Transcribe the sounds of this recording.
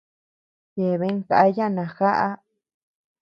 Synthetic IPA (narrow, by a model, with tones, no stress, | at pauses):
je˨βe˧˦ŋ˦ka˨ʔjã˦˨nã˨xa˦ʔa˦